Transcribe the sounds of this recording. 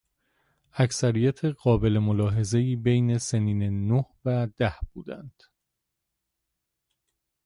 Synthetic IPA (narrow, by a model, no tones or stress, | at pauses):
æcsæɾijæt̪ʰeɢɒːbe̞le̞molɒːɦe̞ze̞iːbejne̞seniːnenohvæd̪æhb̥uːd̪æ̰nd̪̥